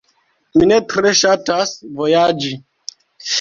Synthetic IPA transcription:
minetɾeʃatasvojad͡ʒi

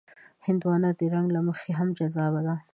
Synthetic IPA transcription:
hɪnd̪wɑnad̪əɾaŋɡlaməxeɦamd͡ʒazɑbad̪a

